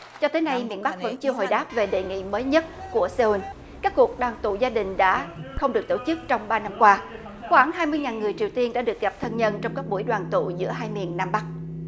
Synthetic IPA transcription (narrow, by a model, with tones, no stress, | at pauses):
t͡ɕɔ˧t̪əː˨˦jna˧jmḭ˧˨ənɓa˦˥k̚və̰˧˥nt͡ɕi˧əɦo̰˧˨jɗaː˦˥p̚ve˨˩ɗḛ˧˨ŋḭ˧˨məː˨˦jɲə˦˥t̚ku˧˩əse˧u˧n | kaː˦˥kːu˨˩ək̚ɗwaː˨˩nt̪ṵ˧˨zaː˧ɗï˨˩ŋ̟ɗa̰ː˧˥xə˧wŋ͡mɗɨ˨˩ək̚t̪o˧˩t͡ɕɨ˦˥k̚t͡ɕɔ˧wŋ͡mɓaː˧na˧mkwaː˧ | xwaː˧˩ŋɦaː˧jmɨ˧əjŋaː˨˩nŋɨ˨˩əjt͡ɕi˨˩əwt̪i˧ənɗa̰ː˧˥ɗɨ˨˩ək̚ɣa˨˩p̚t̪ʰə˧nɲə˧nt͡ɕɔ˧wŋ͡mkaː˦˥k̚ɓu˧˩əjɗwaː˨˩nt̪ṵ˧˨zɨ̰˧˥əɦaː˧jmḭ˧˨ənːaː˧mɓa˦˥k̚